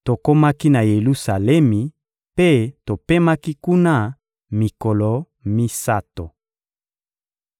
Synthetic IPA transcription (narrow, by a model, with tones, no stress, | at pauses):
to˨ko˦ma˦ki˦na˨je˨lu˦sa˨lɛ˦mi˨ | pe˦to˨pe˦ma˦ki˦ku˦na˦˨ | mi˨ko˨lo˨ | mi˦sa˦to˨